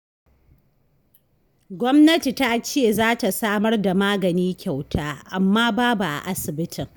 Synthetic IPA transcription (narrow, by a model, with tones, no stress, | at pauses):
ɡʷɔ˦mnɐ˦ti˨ta˦t͡ʃeː˦˨zaː˦ta˨saː˦mɐ˦rda˨maː˦ɡɐ˨niː˦kʲa˨wtʰaː˦ʔa˨mːaː˦baː˦bu˨ʔa̰˨ʔa˦sɪ˨bɪ˦tʰɪ˨ŋ